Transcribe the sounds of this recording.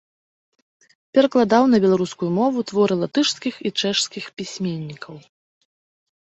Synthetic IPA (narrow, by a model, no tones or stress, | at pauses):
pʲɛɾɐklˠad̪awn̪ɐbʲɛlˠaɾuskujumɔvut̪vɔɾɨlˠat̪ɨʂskʲixit͡ʂɛʂskʲixpʲisʲmʲenʲːikʰɐw